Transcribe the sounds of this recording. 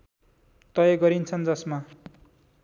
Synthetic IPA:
t̪ʌjʌɡʌɾint͡sʰʌnd͡zʌsma

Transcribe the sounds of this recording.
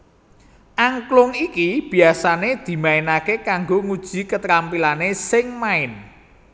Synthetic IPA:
ʔaŋklʊŋikib̥i̤asaned̪̥i̤maɪnakekaŋɡoŋud̥ʒ̥i̤kət̪ɾampilanesɪŋmaɪn

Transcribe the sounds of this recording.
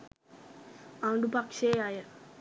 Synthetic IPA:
aːɳɖupakʂejaːjɐ

